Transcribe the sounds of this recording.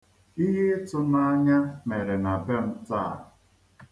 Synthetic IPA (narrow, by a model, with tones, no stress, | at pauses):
i˦ɦe˦tʊ˦na˦ɲa˦me˨ɾe˨na˨be˦m̩˦taː˦˨a˨